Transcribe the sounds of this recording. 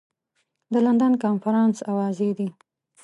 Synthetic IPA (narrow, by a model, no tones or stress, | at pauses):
d̪əland̪ankɑnfaɾɑnsawɑzed̪i